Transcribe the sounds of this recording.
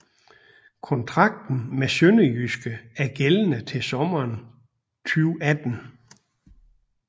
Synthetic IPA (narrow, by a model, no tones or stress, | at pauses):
kʰɒ̽nt͡sʰʁɑ̈ɡ̥̚d̥n̩mesønəjysɡ̥əæɐɡ̥elənət͡sʰe̝sɒ̽mɐːn | t͡sʰyʊæd̥n̩